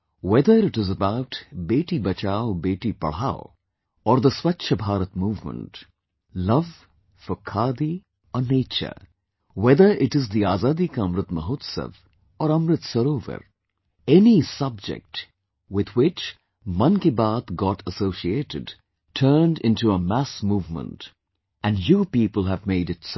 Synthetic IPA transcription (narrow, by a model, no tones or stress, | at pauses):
wɛd̪əɾɪʈɪzəbaʊʈbeːʈibɐt͡ʃaːʊbeːʈipɐ̰ɭ̤aːʊ | ɔːɾd̪əswɐtːʃʰəbʱaːɾət̪muːvmə̰̃ɳʈ | lʌʋ | fɔkʰaːd̪i | ɔneːt͡ʃə̰ɾ | wɛd̪əɾʔɪʈɪzd̪iaːzaːd̪ikaɐ̃mɾɪt̪məɦoːt̪sə̰ʋ | ɔːɾʌ̃mɾɪt̪səɾoːvə̰ɾ | ɛnisʌb̚d͡ʒɪ̰k̚ʈ | wɪd̪wɪt͡ʃ | mʌ̃nkibaːt̪ɡɔʈʰəsoːsieːʈɪ̰ɖ | tʰəːnɖɪ̃ntuəmæsmuːvmə̰̃nt | æ̃nɖjuːpiːpəl̩ˠævmeɪɾɪts